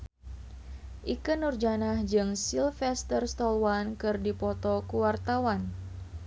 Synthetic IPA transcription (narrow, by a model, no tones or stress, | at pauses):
ʔikənurd͡ʒanahd͡ʒɨŋsilfɛst̪ərst̪ɔlwankɨrdipɔt̪ɔkuwart̪awan